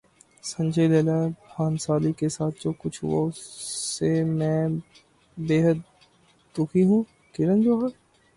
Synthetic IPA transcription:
sɐ̃ɲd͡ʒəileːlaxaːnsaːlikesaːt̪̚ʰd͡ʒoːkʊt͡ʃʰɦʊ̰a̰ | emɛ̃ː | beːɦəd̪̚ | t̪ʊkʰiɦũ | kɪɾə̃nd͡ʒoːɦɛː

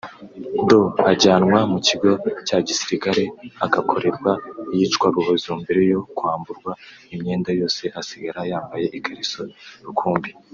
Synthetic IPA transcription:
doaɟaːnŋwamuciɡo̞caɟisiɾikaɾeaɡakʰo̞ɾe̞ɾɡwajit͡ʃkwaɡoβozumbiɾejo̞kuaːmbuɾɡwa | imɲe̞ːndajo̞ːse̞ʔasiɡaɾajaːmbaje̞ʔikʰaɾisoɾukʰuːmbi

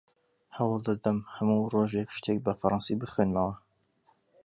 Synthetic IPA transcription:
hɐwɑlˠd̪ad̪ɐmhɐmuːroːʒekʃt̪ʰek̚bɐfɐɾˤɑnsibɨxwenmɐwɐ

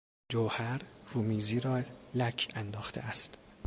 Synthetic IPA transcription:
d͡ʒowhæɾruːmiːziːɾɒːlækʰænd̪ɒːxt̪ʰḛæst̪

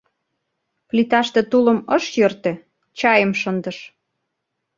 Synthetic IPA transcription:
plit̪ɑʃt̪ĕt̪ulə̆mɤʃjørt̪ĕ | t͡ɕɑjəmʃənd̪ə̆ʃ

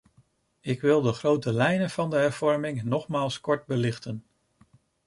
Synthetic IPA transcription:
ɪkʋɪlˠdəχrowtəlɛjnənv̥ɑndəɦɛɹv̥ɔɹmɪŋnɔχmaːlˠskɔɹt̚bəlɪχtən

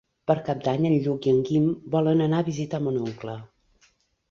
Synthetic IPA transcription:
pəɾkap̚d̪aɲənʎukiəŋɡimbɔlənənaβizit̪əmənuŋklə

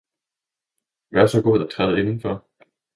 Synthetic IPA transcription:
ʋæɐsɒ̽ɡ̥oð̰ˠɒt͡sʰʁað̩ˠe̝nn̩fɒ

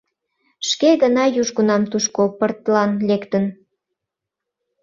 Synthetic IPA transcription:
ʃkeɣənɑjuʒɣunɑmt̪uʃkopərt̪lɑnlekt̪ən

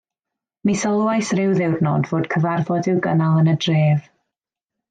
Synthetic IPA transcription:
misɔlˠwajsrɪwðɛwrnɔdvoːd̥kʰəvarvɔdɪwɡənalˠənədreːv

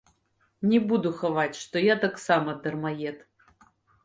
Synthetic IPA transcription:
nʲɛbud̪uxavat͡sʲʂt̪ɔjat̪aksamɐd̪ɐrmajɛt̪

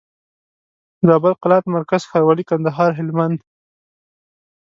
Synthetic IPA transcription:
zɑbalqɪlɑt̪maɾkaz̥xaɾwɑlikand̪aɦɑɾɦɪlmand̪

